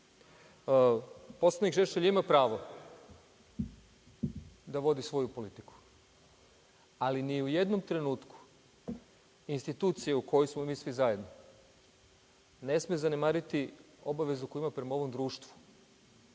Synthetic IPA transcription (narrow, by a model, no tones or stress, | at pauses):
po̞slˠanikʒeʃeʎimapɾaːʋo̞ | d̪aʋo̞d̪isʋo̞jupo̞lit̪iku̥ | aliniuje̞d̪no̞mt̪ɾe̞nuːt̪ku̥ | inst̪it̪uːt̪sijeuko̞josmomiːsʋizaje̞d̪no | ne̞smezane̞maːɾit̪i | o̞baʋe̞zuko̞juimapɾe̞mao̞ʋo̞md̪ɾuːʃt̪ʋu̥